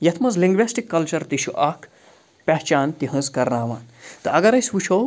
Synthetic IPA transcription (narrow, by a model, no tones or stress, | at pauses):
jɐt̪ʰmɐzliŋɡʋesʈikːɐlt͡ʃɐɾt̪iʃuʔɐkʰ | pʲɛɦt͡ʃaːnt̪iɦɐ̃ːskɐɾnaːʋa̰ːnt̪ɨɐɡɐɾɐjsʋut͡ʃʰow